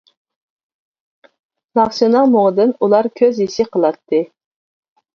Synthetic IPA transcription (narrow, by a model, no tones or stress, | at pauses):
lˠɑχsɨnɑŋmoʁəd̪ɨnulˠɑɾkʲʰøzisɪqʰəlˠɑt̪ʰːɨ